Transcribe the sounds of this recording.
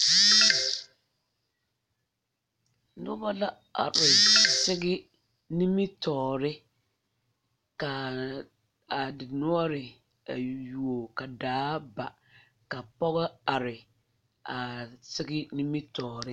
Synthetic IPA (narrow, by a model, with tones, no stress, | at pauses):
nʊ˦ba˦la˦ | a̰˨ɾɪ˨sɪ˦ɣɪ˦ | ni˦mi˦tɔː˨ɾɪ˦ | ka˨ | a˨dɪ˨nɔ˦ɔ˦ɾɪ˨ | a˨ju˨o˨ka˨daː˨˦ba˨ | ka˨pɔ˦ɣɔ˦a˨ɾɪ˨ | a˨sɪ˦ɡɪ˦ni˦mi˦tɔː˨ɾɪ˦